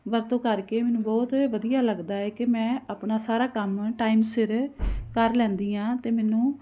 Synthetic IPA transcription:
ʋəɾt̪õːkəɾkeːmɛ̃ːnũːbɔːt̪ʋəd̪ijaːləɡd̪aːɛːkɪmɛ̃ːaːpnaːsaːɾaːkəmʈaːimsɪɾkəɾlɛ̃ːnd̪iːãːt̪eːmɛːnũː

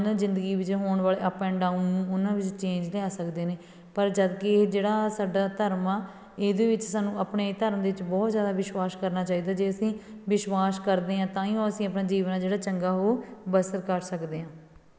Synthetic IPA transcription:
nãːzɪ̃nd̪əɡiːʋɪt͡ʃɦoːɳʋaːleːəpɛ̃ːɳɖaːunũːʊnãːʋɪt͡ʃt͡ʃẽːɲd͡ʒleaːsəkd̪eːneː | pəɾd͡ʒəd̪ked͡ʒeːɽaːsaːɖaːt̪əɾmãː | eːd̪eːʋɪt͡ʃsaːnũːəpɳeːt̪əɾəmd̪eːɪt͡ʃbɔːt̪zjaːd̪aːʋɪʃʋaːskəɾnaːt͡ʃaːiːd̪aːd͡ʒeːəsĩːʋɪʃʋaːskəɾd̪eːɦãːt̪ãːiõːəsĩːəpnãːd͡ʒiːʋnaːd͡ʒeːɽaːt͡ʃəŋɡaːɦoːbəsət̪kəɾsəkd̪eːɦãː

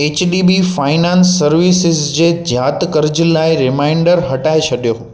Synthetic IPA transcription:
et͡ɕɗibifaːɪnansːəɾʋisɪzd͡ʑed͡ʒʱjaːt̪kəɾd͡ʑlaːiɾɪmaɪɳɖəɾɦɐʈaet͡ʃʰɐɗjoː

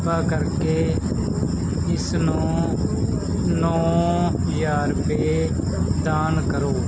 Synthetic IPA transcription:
paːkəɾkeː | ɪsnõː | nɔ̃ː | jaːɾpeː | d̪aːnkəɾoː

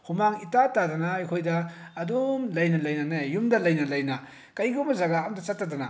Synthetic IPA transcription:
hʰumaŋitatadɐnɐajkʰojdɐːdumlɐjnɐlɐjnɐnajumdɐlɐjnɐlɐjnɐ | kɐjɡumɐzaɡaːmdɐt͡ʃatːadɐnɐ̰

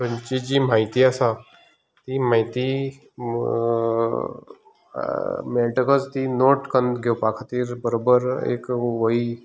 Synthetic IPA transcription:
ɾəɲt͡ɕid͡ʑimaɦit̪iasa | t̪imaɦit̪i | meʈəkəd͡zt̪inoʈkənd̪ɡʱewpakʰət̪iːɾbəɾobəɾḛːkʋəi

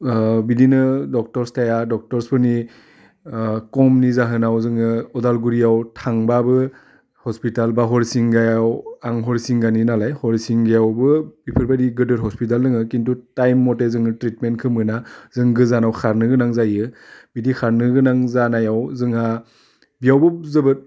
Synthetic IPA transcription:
bidinɯdɔk̚tɔɾstʰajadɔk̚tɔɾspɯni | kɔmnizaɦɯnawzɯŋɯɔdalɡuɾijawtʰaŋbabɯ | hɔspitalbaɦɔɾisiŋɡajawaŋɦɔɾisiŋɡaninalajhɔɾisiŋɡajawbɯbipʰɯɾbadiɡɯdɯɾɦɔspit̬alnɯŋɯkintutajmːɔtezɯŋɯtɾitmenkʰɯmɯnazɯŋɡɯzanawkʰaɾnɯɡɯnaŋzajɯbidikʰaɾnɯɡɯnaŋzanajawzɯŋa | bijawbɯzɯbɯt̚

